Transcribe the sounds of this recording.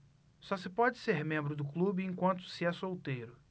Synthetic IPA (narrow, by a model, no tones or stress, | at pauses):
sɔsɪpɔd͡ʒɪseɾmẽmbɾʊd̪ʊklubɪẽkwɐ̃nt̪ʊ̥sɪɛsowt̪ejɾʊ